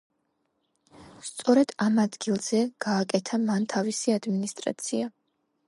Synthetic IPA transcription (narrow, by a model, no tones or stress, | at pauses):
st̪sʼɔɾɛd̪̥amad̪ɡilˠz̥ɛɡ̥aːkʼɛt̪ʰamant̪ʰavisiad̪minist̪ʼɾa̰t̪sʰia